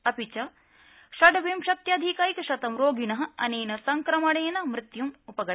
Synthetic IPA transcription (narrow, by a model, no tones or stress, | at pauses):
ɐpit͡ʃɐ | ʃɐɖɐʋeːmʃɐk̚t̪jaːd̪ʱikaːjikɐʃɐt̪ɐmɾoːɡinɐɦɐ̆ɐ̰neːnɐsɐŋkɾɐmɐɽejnɐmɾɪt̪jumupɐɡɐ